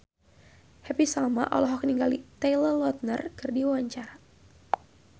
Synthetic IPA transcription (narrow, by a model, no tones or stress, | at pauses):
hɛpisalma̰ʔɔ̰lɔɦɔkniŋɡalit̪elərlɔt̪̚nərkɨrdiwwaɲt͡ʃaɾa